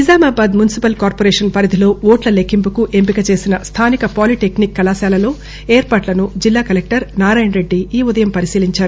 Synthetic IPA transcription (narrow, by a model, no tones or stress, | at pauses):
izaːmaːbaːd̪munisipɐlkaːɾpoːɾeːʂɐnpɐɾɐd̪ʱilo̞ːoːʈlɐlekʰːimpukuʔe̞mpikɐt͡ʃe̞ːsinɐst̪ʰaːnikɐpaːliʈe̞knikːɐlaːsaːlɐlo̞ː | eːɾpaːʈlɐnud͡ʒilːaːkɐlek̚ʈɐɾnaːɾaːjɐnɾe̞ɖːiiːud̪ɐjɐmpɐɾisiːliɲt͡ʃaːɾu